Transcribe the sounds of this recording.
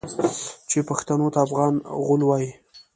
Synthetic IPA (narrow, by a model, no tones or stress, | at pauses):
t͡ʃepaxt̪anot̪aːfɣɑnɣʊlwɑji